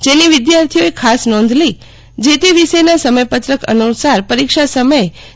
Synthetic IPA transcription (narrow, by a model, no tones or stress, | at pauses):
d͡ʒeniʋɪd̪jaɾt̪ʰijoekʰasnɔ̃nd̪ʱli | d͡ʒet̪eʋiʃenasəməjpət̪ɾəkʰə̰nusaɾpəɾikʃasəməje